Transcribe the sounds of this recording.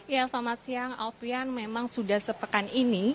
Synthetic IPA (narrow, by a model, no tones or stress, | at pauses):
jasamasiaŋalfianmemaŋsudahsəpəkanini